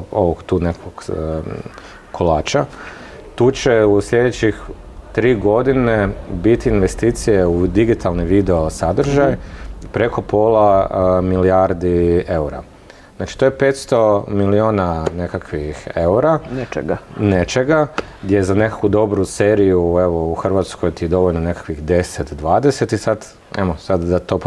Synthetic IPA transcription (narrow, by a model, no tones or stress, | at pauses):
o̞ʋoɡt̪uːnekʰoɡ̥ | kʰolˠa̰ːt͡ʃa | t̪uːt͡ʃe̞uslʎʲe̞d̪et͡ɕix | t̪ɾiːɡo̞d̪inebit̪iːnʋe̞st̪iːt̪sije̞ud̪iɡit̪ʰalˠniʋid̪e̞osad̪ɾ̩ʒajpɾe̞ko̞pʰoːlˠamilijaɾd̪ie̞uɾa̰ | znaːt͡ʃi̥t̪o̞jepe̞ːt̪st̪o̞milioːnane̞kakʰʋixeuɾanɡnet͡ʃe̞ɡa | ɡd̪jezane̞kḁkʋud̪o̞bɾuse̞ːɾijueʋouxr̩ʋat̪skojt̪id̪o̞ʋo̞ʎnone̞kḁkʋixd̪e̞set̪d̪ʋaːd̪e̞se̞t̪isad̪ | emosad̪d̪at̪o̞p